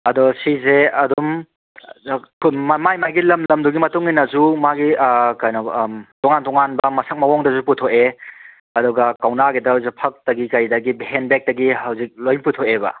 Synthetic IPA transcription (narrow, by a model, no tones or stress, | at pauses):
ɐdɔsizeɐdum | kmamajmajɡilɐmlɐmduɡimɐtuŋinɐzumaɡikajnotɔŋantɔŋanbɐmɐsɐk̚mɐwɔŋdɐzuputʰoe | ɐdɔɡɐkawnaɡidɐzepʰɐk̚tɐɡikɐjdɐɡibiɦenbek̚tɐɡiɦɐwzik̚lojnputʰoebɐ̰